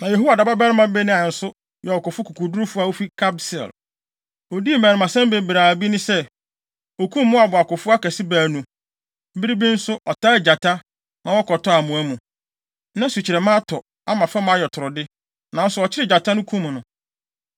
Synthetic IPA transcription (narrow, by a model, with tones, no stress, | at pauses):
nã˨je˨ɦu˦wa˨da˨ba˦bɛ˦ɾɪ˦mã˦be˦nɪ̃˦a˨n̩˨sʊ˦ | jɛ˨ɔ˨kʊ˨fʊ˦kʰu˨kʰu˨du˦ɾʊ˦fʊ˦a˦wo˦fi˦kʰa˦bsɛ̰˨l | o˨di˦e˦˨mæ̃˨ɾɪ˨mã˨sɛ̃˦m˦be˨bɾaː˨bi˦nʊ̃˦sɛ˦ | o˨kʰũ˦mː˦ʊ̃˦a˨bʊ˨a˨kʊ˨fʊ˦a˦kæ˨si˦baː˨nũ˨ | m̩˦bi˦ɾi˦bi˦n̩˦sʊ˦ʔɔ˨tʰa˦ɪ˨d͡ʑa˨tʰa˦ | nã˨wɔ˦kɔ˨tʰɔ˦a˨mũ˨æ˦mũ˨ | nã˦su˨t͡ɕʰɪ˨ɾɛ˨mã˦tʰɔ˨ | a˦mã˨fa˦mã˦jɛ˨tʰʊ˨ɾʊ˨dɪ˦ | nã˨n̩˦sʊ˦ɔ˨t͡ɕʰɪ˦ɾɪ˦d͡ʑa˨tʰa˦nʊ̃˦kʰũ˦m˨nʊ̃˨